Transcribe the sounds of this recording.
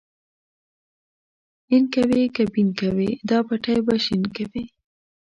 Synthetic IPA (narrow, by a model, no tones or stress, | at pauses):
inkawekabinkawed̪ɑpaʈajbaʃinkawi